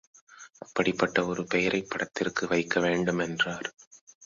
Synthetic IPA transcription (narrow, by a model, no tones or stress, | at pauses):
ʔɐpːɐɽɪpːɐʈːɐɔɾɯpɛjɐɾɐɪpːɐɽɐt̪ːɪrkɯʋɐɪkːɐʋeːɳɖɯmɛndraːɾ